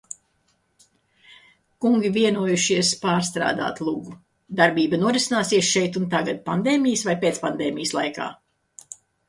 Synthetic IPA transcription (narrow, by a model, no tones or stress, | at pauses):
kuŋɡʲiviɛnuɔjuʃiɛspaːɾst̪ɾa̰ːd̪a̰ːt̪lˠuɡu | d̪aɾbiːbɐnuɔɾisinaːsiɛsʃɛjt̪unt̪̬aɡat̪̚pand̪eːmijəsvajpeːt̪spand̪eːmijəslˠajka̰ː